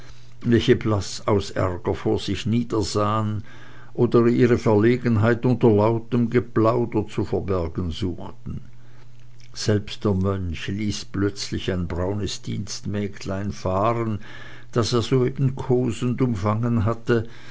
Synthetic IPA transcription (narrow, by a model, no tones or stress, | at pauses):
vɛlçəblasaʊsʔɛ̰ʁɡɐfoːɐz̥ɪçniːdɐzaːən | ʔoːdəiːʁəfɛɐleːɡənɦaɪtʊntɐlaʊtəmɡəplaʊdɐt͡sufɛɐbɛɐɡn̩zuːxtn̩ | z̥ɛlpst̚d̥eːɐmœnçliːsplœt͡slɪçaɪnbʁaʊnəsd̥ḭːnstmɛːkʰlaɪnfaːʁən | d̥aseːɐzoːeːb̥n̩kʰoːzən̩dʊmfaŋənɦatə